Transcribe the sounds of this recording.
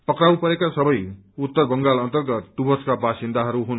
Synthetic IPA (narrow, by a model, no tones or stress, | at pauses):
pʌkrawpʌɾekasʌbʌj | ut̪ːʌrbʌŋɡalʌnt̪ʌrɡʌt̪ːubʱʌskabasind̪aɦʌɾuɦun